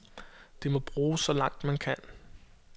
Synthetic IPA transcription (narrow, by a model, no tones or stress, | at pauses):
d̥emɒ̽b̥ʁuːsɒ̽lɑ̈ŋ̰d̥mænkʰæn